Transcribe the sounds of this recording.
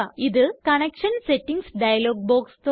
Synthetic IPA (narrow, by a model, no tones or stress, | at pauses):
iðɨkɐnekʂɐnseʈːiŋɡsɖɐjɐloːɡ̚boːkst̪o